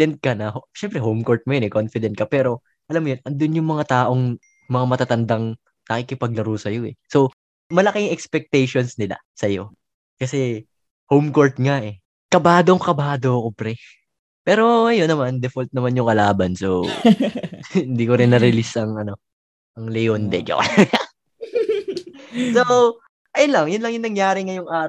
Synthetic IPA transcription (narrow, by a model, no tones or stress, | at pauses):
ɛnt̪̚kɐnɐhoʃɛmpɾɛɦowmko̞ɹt̪̚mojonɛkonfɪd̪ɛnt̪̚kɐpɛːɾo̞ | ʔɐlamːojonʔɐnd̪onjʊŋmɐŋat̪aːʔo̞ŋ | mɐŋamɐt̪at̪ɐnd̪ɐŋ | nɐkɪkɪpɐɡ̚lɐɾuːsɐjo̞ʔɛso̞ | mɐlɐkɪŋʔɛkspɛk̚t̪ɛjʃo̞nsnɪla̰ | sɐjo̞ | kɐsɛ | howmko̞ɹt̪̚ŋaʔɛ | kɐbaːd̪oŋkɐbaːd̪okopɾɛ | pɛːɾo̞ɐjonːɐmand̪ɛfolt̪̚nɐmanjʊŋkɐlaːbɐnsow | hɪnd̪iːkoɾɪnːɐɾɪlisɐŋʔɐno̞ | ʔɐŋlɛjond̪ɛd͡ʒo̰kɐlaɡɐ | so | ʔɐjonlɐŋjʊnlɐŋjʊŋnɐŋjaːɾɪŋɐjʊŋʔaːɾ